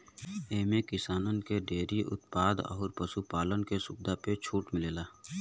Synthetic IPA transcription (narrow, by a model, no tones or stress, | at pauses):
eːmekɪsaːnənkeɖeːɾiʔʊ̰t̪paːd̪ɔ̰ːɾpəsupaːlənkesʊb̚d̪apet͡ʃʰuːʈmɪleːlaː